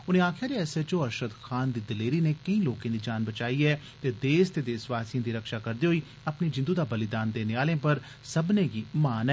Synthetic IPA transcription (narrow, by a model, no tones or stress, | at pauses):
ʊnẽːaːkʰjaːd͡ʒeɛːset͡ʃoːəɾʃəd̪xʰaːnd̪iːd̪ɪleːɾiːneːkəĩːloːkãːd̪iːd͡ʒaːnbət͡ʃaːiːɛː | t̪eːd̪eːst̪eːd̪eːsʋaːsijãːd̪iːɾəkʃaːkəɾd̪eːɦoiː | əpneːd͡ʒɪ̃nd̪uːd̪aːbəlɪd̪aːnd̪eːnɪaːlẽːpəɾ | səbnẽːɡiːmaːnɛː